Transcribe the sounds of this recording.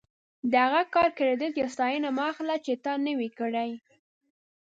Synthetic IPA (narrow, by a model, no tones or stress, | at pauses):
d̪əhaɣakɑɾkəɾed̪əlt̪jɑst̪ɑjənamɑxlat͡ʃet̪ɑnəwikəɽaj